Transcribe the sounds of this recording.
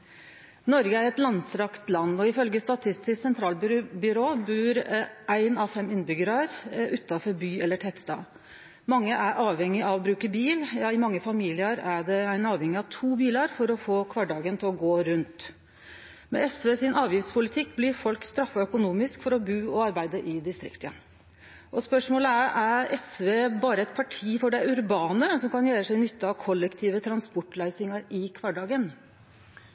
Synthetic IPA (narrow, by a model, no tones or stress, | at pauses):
nɔɾɡəæɾɛt̪lɑnsɾɑkt̪lɑnːɔɪfœlɡəst̪ɑt̪ʰɪst̪ɪsksɛnt̪ʰɾɑːlbbʏɾoːbʉːɾʔæɪnɑfɛmːɪnbʏɡəɾɑɾʔʉt̪ːɑfɔɾbyːɛlːəʈʰɛt̪st̪ɑ̰ː | mɑŋːəʔæɾʔɑːʋhɛŋːɪʔɑʋɔbɾʉːkəbiːljɑɪmɑŋːəfɑmiːlɪəɾæɖɛæɪnɑːʋhɛŋɪɑʋt̪ʰuːbiːlɑɾfɔɾɔfoːkʰʋɑɖɑːɡənt̪ʰɪlɔɡoːɾʉnt̪ | mɛ̰ɛsʋeːsɪnʔɑːʋjɪftspʰʊlɪt̪ʰɪkːblɪɾfɔlkst̪ɾɑfːɑœkʊnuːmɪskfɔɾɔbʉːɔɑɾbæɪd̪əʔɪd̪ɪst̪ɾɪ̰kt̪ə | ʔɔspœʂmoːləæɾæɾɛsʋeːbɑːɾəɛt̪̚pʰɑʈʰiːfɔɖɛæɾʉɾbɑːnəsɔmkʰɑnjæːɾəsʂæɪnʏt̪ːəɑʋkʰɔlːəkt̪ʰiːʋət̪ʰɾɑnspɔʈːlæɪsɪŋɑɾɪkʰʋɑɖɑːɡən